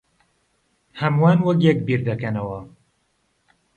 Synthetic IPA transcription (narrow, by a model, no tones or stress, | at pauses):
hɐmwaːnwɐkjɛk̚biɾd̪ɐkɐnɐwɐ